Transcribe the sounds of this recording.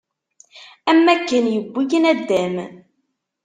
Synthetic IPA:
æmːækːənjəbʷːijənæd̪ːæm

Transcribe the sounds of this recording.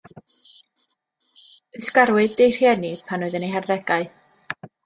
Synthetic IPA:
əskaɾwɨðdejr̥jɛnɪ̥pʰanʊɨðənejɦarðɛɡaɨ

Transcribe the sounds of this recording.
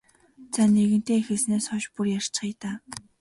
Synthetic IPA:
t͡saneɣɘ̆n̥t̪eːxɘ̆ɮsneːsχɔʃpurjar̥t͡ɕχijt̪aː

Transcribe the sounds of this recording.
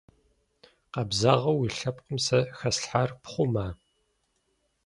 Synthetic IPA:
qɐbzaʁɐwiːɬɐp̚qəmsɐxɐsɬħarpχʷʊmaː

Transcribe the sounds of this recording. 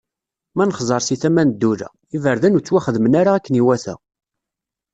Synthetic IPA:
mænəχzˤɑɾˤsiθæmænəd̪ːuɾæ̰ | ivəɾðænut͡sːwæχəðmənaɾaækːəniwæθæ̰

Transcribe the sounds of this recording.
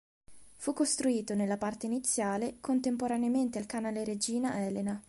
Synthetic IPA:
fukːost̪ɾuiːt̪onelːapart̪einit̪sːjaːlekont̪empoɾaneament̪ealkanaːleɾed͡ʒiːnaʔɛːlena

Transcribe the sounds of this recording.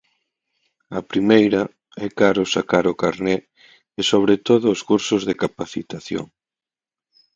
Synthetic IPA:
ɐpɾimejɾɐ | ɛkaɾʊsakaɾʊkaɾnɛ | ɪsoβ̞ɾet̪oðʊːskuɾsʊzðekapaθit̪aθjo̰ŋ

